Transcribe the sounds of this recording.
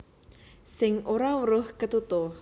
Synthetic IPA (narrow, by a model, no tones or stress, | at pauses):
sɪŋoɾawəɾʊhkət̪ut̪ʊh